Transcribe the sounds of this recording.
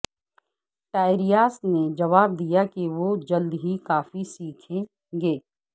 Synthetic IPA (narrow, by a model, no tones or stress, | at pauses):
ʈaːɪɾijaːsned͡ʒɐʋaːb̚d̪ijakiʋod͡ʒɐld̪ɦikaːfisiːkʰẽ | ɡeː